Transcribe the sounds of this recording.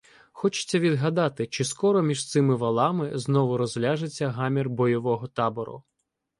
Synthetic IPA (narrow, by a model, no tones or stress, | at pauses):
xɔt͡ʃɪ̥t͡sʲːɐʋʲid̪ɦɐd̪ɑt̪ɪt͡ʃɪskɔɾɔmʲiʃt̪sɪmɪʋɐlˠɑmɪznɔʋʊɾɔzlʲaʒet͡sʲːɐɦɑmʲirbɔjɔʋɔɦɔt̪ɑbɔɾʊ̰